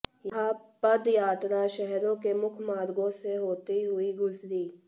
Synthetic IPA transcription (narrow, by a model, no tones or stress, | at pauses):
jɦapɐd̪jaːt̪ɾaʃɛɦɾõkemʊkʰmaːɾɡõseɦoːt̪iɦʊiɡʊzɾiː